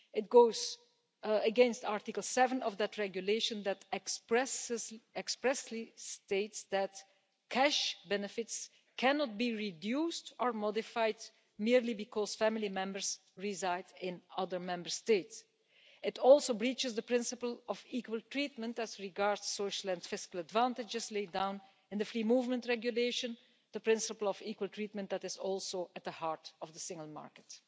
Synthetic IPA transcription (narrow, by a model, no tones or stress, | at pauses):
ɪt̚ɡ̥oʊz | əɡɛ̃nstaɹtɪkəl̩ˠsɛvə̃nɔvd̪ætɹɛɡjuleɪʃə̃nd̪ætpsɛkspɹɛslisteɪtsd̪æt | kʰæʃbɛnɨfɪts | kʰænɔt̚biɹidjuːstɔɹmɔdɪfaɪd | miɹlibɪkʰɔz̥fæmɪlimɛ̃mbəɹz | ɹizaɪdɪ̃nʌðəɹmɛ̃mbəɹsteɪts | ɪtɔlˠsoʊbɹit͡ʃɪsd̪əpɹɪ̃nsɪpəl̩ˠɔviːkwəlˠtɹiːt̚mə̃ntæzɹɪɡaɹdsːoʊʃəlɛ̃nfɪskəl̩ˠədvãntɪd͡ʒɪzleɪdãʊ̃n | ɪ̃nd̪ðəfɹiːmuːvmə̃ntɹɛɡjuleɪʃə̃n | d̪əpɹɪ̃nsɪpəl̩ˠɔvikwəlˠtʰɹiːt̚mə̃nt̚d̪ætɪzɔlˠsoʔət̚d̪əhaɹtɔvdəsɪ̃ŋɡəlˠma̰ɹkə̥t